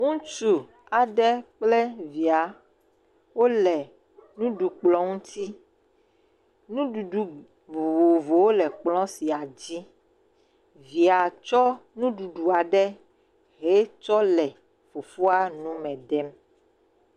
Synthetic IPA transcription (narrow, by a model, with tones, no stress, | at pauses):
ŋũ˦t͡ʃu˨ | a˨ɖɛ˦k͡ple˦vi˨a˨ | wo˦lɛ˨ | nũ˦ɖu˨k͡plɔ˦ŋũ˦t̪ʰi˦ | nũ˦ɖu˨ɖu˨ | vo˨vo˨vo˨wo˦lɛ˨k͡plɔ̃˦si˨a˨d͡ʑi˦ | vi˨a˨t͡ʃɔ˦nũ˦ɖu˨ɖu˨a˨ɖɛ˦ | ɦe˦t͡ʃɔ˦lɛ˨ | fu˨fu˦a˦nũ˦mɛ̃˨dɛ˦m